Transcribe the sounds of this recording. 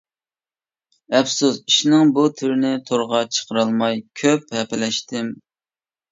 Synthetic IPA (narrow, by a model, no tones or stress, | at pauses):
ɛpsusiʃnɪŋbut̪ʰyɾɪnɪt̪ʰoɾʁɑt͡ʃʰə̥qʰəɾɑlˠmɑjkʲʰøphɛpɪlɛʃt̪ɪm